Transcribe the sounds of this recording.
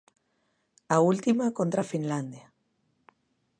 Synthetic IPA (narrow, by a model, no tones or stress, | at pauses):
ault̪imakont̪ɾafinland̪ja